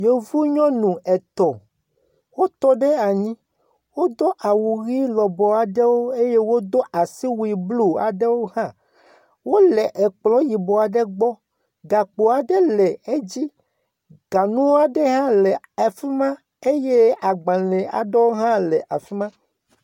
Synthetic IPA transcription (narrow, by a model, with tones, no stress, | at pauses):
je˨vu˦ɲɔ̃˦nũ˨ʔɛ˨t̪ɔ˨ | wo˦t̪ɔ˦ɖe˦a˨ɲĩ˦ | wo˦d̪o˦ʔa˨wu˨ɣi˦lɔ˨bɔ˨a˨ɖe˦wo˦e˦je˦wo˦d̪o˦ʔa˨si˦wu˦˨i˨blu˦a̰˨ɖe˦wo˦hã˦ | wo˦lɛ˨ʔɛ˨k͡plɔ̃˨˦ji˨bɔ˨a˨ɖe˦ɡ͡bɔ˦ | ɡa˨k͡po˨a˨ɖe˦lɛ˨e˦d͡ʑi˦ | ɡ̥a˨nũ˦wo˦a˨ɖe˦ɦã˦lɛ˨ | a˨fi˦mã˦ | e˦je˦a˨ɡ͡bã˨lɛ˨a̰˨ɖe˦wo˦ɦã˦lɛ˨ʔa˨fi˦mã˦